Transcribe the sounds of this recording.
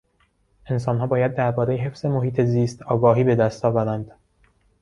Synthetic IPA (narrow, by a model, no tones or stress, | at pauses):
ʔe̞ns̬ɒːnɦɒːbɒːjæd̪̚ːæɾbɒːɾejeɦe̞fz̥e̞moɦiːt̪ʰe̞ziːst̪ʰɒːɡɒːɦiːbe̞d̪æst̪ʰɒːvæɾænd̪